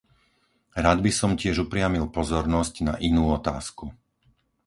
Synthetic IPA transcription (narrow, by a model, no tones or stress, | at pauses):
ɾaːd̪bisɔmcɪɛʒupɾɪamilpɔzɔɾnɔscnaʔinuːɔt̪a̰ːsku